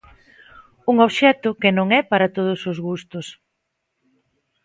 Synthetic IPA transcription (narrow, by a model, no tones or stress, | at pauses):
uŋoβʃɛt̪ʊkɪnõŋɛpaɾɐt̪oðʊsʊzɣust̪ʊs